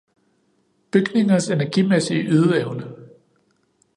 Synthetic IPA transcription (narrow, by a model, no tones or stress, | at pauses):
b̥yɡ̥ne̝ŋɐse̝næɐɡ̥imesiːʔyð̞ˠəɛʊnə